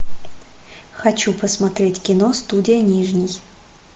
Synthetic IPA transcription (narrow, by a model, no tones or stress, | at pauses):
xɐt͡ɕupəsmɐt̪ɾʲetʲkʲɪnost̪udʲɪjənʲiʐnʲɪj